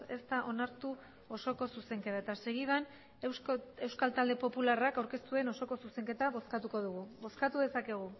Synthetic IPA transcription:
e̞st̪aʔo̞naɾt̪u | o̞so̞ko̞suse̞ŋke̞t̪aet̪aseɣiðan | e̞wskalt̪ald̪e̞po̞pularakawɾke̞st̪ue̞no̞so̞ko̞suse̞ŋke̞t̪aβo̞skat̪uko̞ð̞uɣ̞uβo̞skat̪uðe̞sake̞ɣ̞u

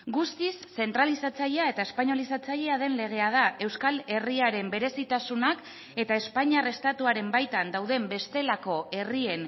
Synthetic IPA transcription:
ɡust̪isːe̞nt̪ɾalisat͡saʎeae̞t̪aespaɲo̞lisat͡saʎe̞aðe̞nle̞ɣ̞e̞að̞ae̞wskale̞riaɾe̞mbe̞ɾe̞sit̪asunak | e̞t̪ae̞spaɲare̞st̪at̪uaɾe̞mbajt̪and̪awðe̞mbe̞st̪e̞lako̞e̞rie̞n

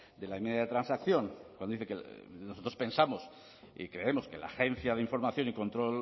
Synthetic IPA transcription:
d̪e̞laemeðjaðet̪ɾansakθjo̞ŋkwand̪oiθekenoso̞t̪ɾo̞spe̞nsamo̞s | ḭkɾe̞e̞mo̞ske̞la̰xe̞n̟θjaðeiɱfo̞ɾmaθjo̞niko̞nt̪ɾo̞l

